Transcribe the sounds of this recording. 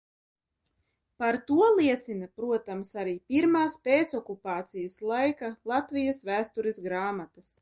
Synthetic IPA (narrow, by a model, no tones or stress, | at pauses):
paɾt̪uɔlˠiɛt̪sinapɾuɔt̪amsaɾiːpiɾmaːspeːt̪sɔkupaːt̪sijaslˠajkalˠat̪vijasvæːst̪uɾesɡɾaːmat̪ɐs